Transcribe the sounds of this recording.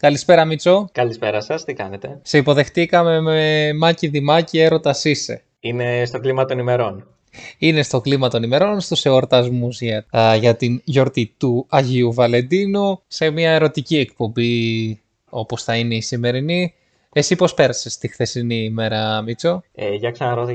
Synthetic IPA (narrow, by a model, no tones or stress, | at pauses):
kɐlispe̞ɾɐmit͡so̞kɐlispe̞ɾɐsɐst̪ikɐne̞t̪e̞se̞ipo̞ðe̞xt̪ikɐme̞memɐciðimɐcie̞ɾo̞t̪ɐsisḛ | ine̞st̪o̞klimɐt̪o̞nime̞ɾo̞n | ine̞st̪o̞klimɐt̪o̞nime̞ɾo̞nst̪use̞oɾt̪ɐzmuzʝɐʝɐt̪inʝo̞ɾt̪it̪uɐʝiuvɐle̞nd̪inuse̞miɐe̞ɾo̞t̪icie̞kpo̞mbi | o̞po̞sθɐine̞isime̞ɾini | esipo̞spe̞ɾɐse̞st̪ixθe̞sinime̞ɾɐmit͡so̞eʝɐksɐnɐɾo̞t̪